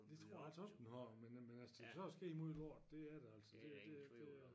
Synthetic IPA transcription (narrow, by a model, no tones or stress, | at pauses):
d̥e̝t͡sʰʁo̝ɐ̰jælsəɒsd̥enhɑmenmenælsəd̥e̝kæsɒ̽sɡ̥e̝̰ːimo̝ðˠelɒ̰ːd̥d̥e̝æɐɾeæl̰sɒd̥e̝d̥e̝d̥e̝